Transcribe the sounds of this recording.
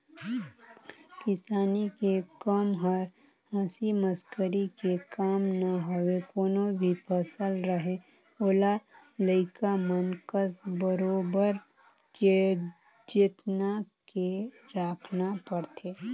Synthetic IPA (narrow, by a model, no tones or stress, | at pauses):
kɪsaːnikekəmɦəɾ | hãːsiməskəɾikekaːmnaɦowekoːnobʱipʰəsəlɾəɦe | oːla | ləɪkamənkəsbəɾoːbəɾ | ke | d͡ʒet̪nake | ɾaːkʰnapəɾt̪ʰeː